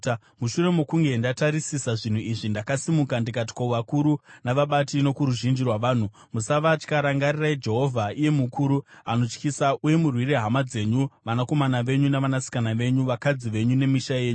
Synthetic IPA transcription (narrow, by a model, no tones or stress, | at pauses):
muʃure̞mokuŋɡe̞ndataɾisisaʐin̤uiʐindakasimukandikat̬i̥kouʋakuɾunaʋaɓatino̞kuɾuʒind͡ʒirwaʋaːn̤u | musaʋat͡ʃkaɾaŋɡariraid͡ʒe̞ɦo̞vʱaije̞mukʰuːɾuano̞t͡ʃkisaʔuje̞murwireɦamad͡ze̞ɲuʋanako̞manaʋe̞ɲunaʋanasi̥kanaʋe̞ɲuʋakad͡ziʋe̞ɲune̞miʃaje̞ːɲu